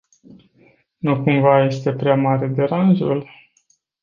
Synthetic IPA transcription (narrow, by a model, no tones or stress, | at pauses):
nukumvaje̞st̪e̞pɾeamaɾe̞d̪e̞ɾanʒul